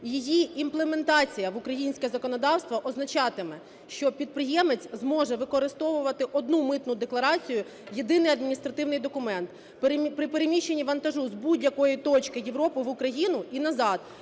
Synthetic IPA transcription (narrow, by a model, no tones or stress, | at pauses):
jijiimplˠeme̞nt̪ɑt͡sʲijɐʋʊkɾɐjinʲsʲkʲɛzɐkɔnɔd̪ɑwst̪ʋɐʔɔznɐt͡ʃɑt̪ɪmɛ | ʃt͡ʃɔpʲid̪̚pɾɪjɛmet͡sʲzmɔʒɛʋɪkɔɾɪst̪ɔʋʊʋɐt̪ɪʔɔd̪̚numɪt̪nʊd̪eklˠɐɾɑt͡sʲijʊ | jed̪ɪnɪjɐd̪mʲinʲist̪ɾɐt̪ɪwnɪjd̪ɔkʊmɛnt̪ | pɾpɾɪpeɾemʲiʃːe̞nʲːiʋɐnt̪ɐʒuzbudʲjɐkɔjit̪ɔt͡ʃkɪjeʋɾɔpɪʋʊkɾɐjinʊinɐzɑd̪̥